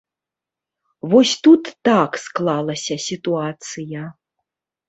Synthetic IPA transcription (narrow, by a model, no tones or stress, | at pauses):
vɔsʲt̪ut̪ːaksklˠalˠɐsʲɐsʲit̪uat̪sɨjɐ